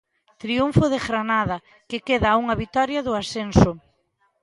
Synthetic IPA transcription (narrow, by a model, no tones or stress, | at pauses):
t̪ɾiuɱfʊðeɣɾanaðɐ | kekeðɐuŋɐβit̪ɔɾjɐðʊasensʊ